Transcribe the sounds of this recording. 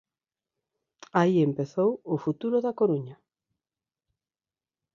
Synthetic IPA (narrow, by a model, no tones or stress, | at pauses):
aiempeθowʊfut̪uɾʊðakoɾuɲa